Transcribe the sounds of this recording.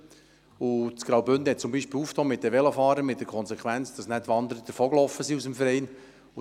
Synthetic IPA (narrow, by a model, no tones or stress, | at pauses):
ʊt͡sɡ̥ɾɑwbʏnd̪əhɛt̚t͡sʊmbiːʃpɪːluːftoːmɪt̚d̥ɛʋɛləfɑːɾəmɪt̚d̥ɛɾkʰɔnsɛkʰχʋænt͡sd̥ɑsnɛtːʋɑnd̪əɾəd̥̪əɾfoːɡlowfːəsiusəmfəɾɛɪn